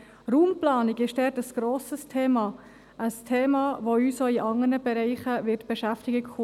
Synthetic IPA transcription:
ruːmplɑːnɪɡɪʃdɛɾtəsɡ̥ɾoːsəstʰeːmɑː | ʔəstʰeːmɑːʋoyːsoiʔɑŋəɾnəbɛɾɛɪχəʋɪtb̥ɛʃæftɪɡiku

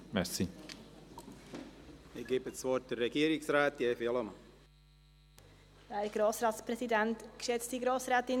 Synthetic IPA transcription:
mɛɾsi | ɪɡ̥eːbəsvɔɾt̚d̥ərːɛɡiːɾɪksɾaːt̪jeːfeləmɑ | d̥ɛhɛɡ̥ɾoːsɾɑːtsprɛsidɛntkʃɛt͡std̥iɡɾoːsɾaːtɪn

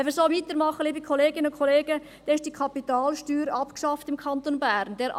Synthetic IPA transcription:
ɛfəsoːmɪtəɾmɑχəliːbəkʰoleːɡɪnəʊnkʰoleːɡə | d̥ɛːɪʃtd̥iːkʰɑpitaːlʃtyːɾɑpkʃɑftɪmkʰɑntonbæɾnd̥eːɾʔ

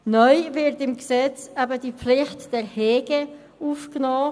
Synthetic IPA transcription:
nœʏvɪɾtɪmɡəsɛt͡sæbədiːflɪχtd̥ɛʁheːɡ̥ə | uːfknɔː

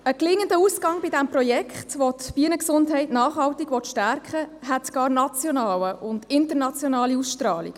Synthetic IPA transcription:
əklɪŋːəndəuːsɡɑŋbɪdɛmprɔjɛkχtʋotb̥iənəksʊndɦɛɪtnɑːχhɑwtiɡʋɔtʃtæɾkχəɦɛtɡ̥ɑːɾnɑt͡sjɔnɑːwəʔʊndɪntəɾnɑt͡sjɔnɑːliusʃtrɑːlḭɡ̥

